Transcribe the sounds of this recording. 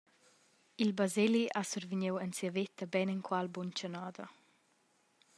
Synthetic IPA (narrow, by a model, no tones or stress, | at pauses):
ilbazeliʔasuɾviɲewɛnt͡siavet̪əbɛnɛŋkwalbunt͡ʃənaːd̪ɐ